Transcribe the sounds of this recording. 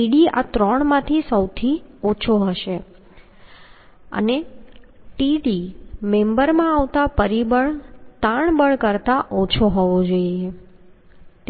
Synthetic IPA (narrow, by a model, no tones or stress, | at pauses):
iɽia̰t̪ɾɔɳ̃mãt̪ʰisəwt̪ʰiot͡ʃʰoɦəʃe | ə̰ne | ʈiɽimẽmbəɾmãaʋt̪apəɾibəɭt̪ãɳbəɭkəɾt̪aʔot͡ʃʰoɦɔʋod͡ʒoie